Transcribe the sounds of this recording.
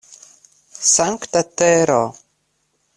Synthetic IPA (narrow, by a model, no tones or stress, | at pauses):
saŋkt̪at̪ɛɾo